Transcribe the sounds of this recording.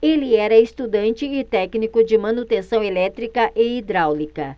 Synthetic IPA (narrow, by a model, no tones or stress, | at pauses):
elɪɛɾɐest̪ud̪ɐ̃nt͡ʃɪːt̪ɛknikʊd͡ʒɪmɐ̃nut̪ẽsɐ̃w̃elɛt̪ɾikɐʔeid̪ɾawlikɐ